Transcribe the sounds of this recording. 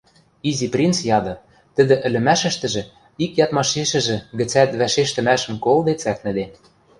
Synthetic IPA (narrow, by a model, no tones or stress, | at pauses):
iziprʲint͡sjɑd̪ɤ̆ | t̪ə̆d̪ɘ̆ʔɘ̆lɘ̆mæʃɘ̆ʃt̪ɘ̆ʒĕ | ikjɑt̪mɑʃeʃɘ̆ʒɘ̆ɡɘ̆t͡sæt̪βæʃeʃt̪ɘ̆mæʃə̆mkold̪et͡sæk̚nɘ̆d̪e